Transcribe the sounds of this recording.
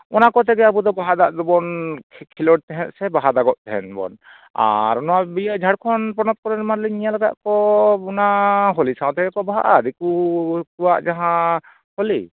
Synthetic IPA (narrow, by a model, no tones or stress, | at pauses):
ɔnakɔt̪ɛɡɛabud̪ɔbaɦad̪aʔd̪ɔbɔnʰkʰilɔɽt̪ɛɦɛ̃t̪̚sɛbaɦad̪aɡɔʔ̚t̪ɛɦɛ̰nbɔ̰n | a̰ɾɔnɔwabijaʔd͡ʒʱaɽkʰɔnpɾɔnɔt̪̚kɔɾɛɾmaɾliɲijalɛɡa̰ʔkɔbɔnaɦɔlisãw̃t̪ɛɡɛkɔbaɦa̰ʔaɾikukuwaʔd͡ʒaɦã | holi